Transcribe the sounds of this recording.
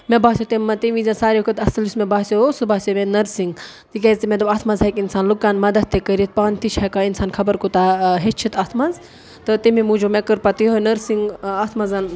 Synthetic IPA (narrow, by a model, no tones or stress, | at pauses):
mebaːsʲot̪emːɐt̪iʋizʲãnsaːɾiukət̪ɐsɨlismẽbaːsʲosɨbaːsʲomẽnɐɾsiŋɡ | t̪ik̬ʲezʲt̪imʲet̪ɐbɐt̪ʰmɐzɐkinsaːnlukːaːnmɐd̪ɐt̪̚t̪ekəɾit̪̚paːnt̪it͡ʃʰɐkainsaːnkʰɐbɐɾkut̪aɦet͡ʃʰit̪ɐt̪ʰmɐz | t̪ɨt̪imimud͡ʒomekəɾpat̪ionɐɾsiŋɡat̪ʰmɐzɐn